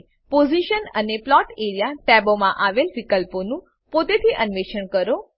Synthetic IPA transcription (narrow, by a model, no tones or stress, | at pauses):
poziʃənə̰neplɔʈeɾijaʈɛbomãʔaʋelʋikəlponũ | pot̪et̪ʰiːʔənʋeʃəɳkəɾo